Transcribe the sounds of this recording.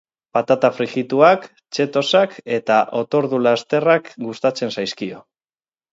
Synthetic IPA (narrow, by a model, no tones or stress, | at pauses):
pat̪at̪afɾiɣit̪uak | t͡ʃe̞t̪o̞sake̞t̪aʔo̞t̪o̞ɾðulast̪e̞rakɡust̪at͡se̞nsajskio̞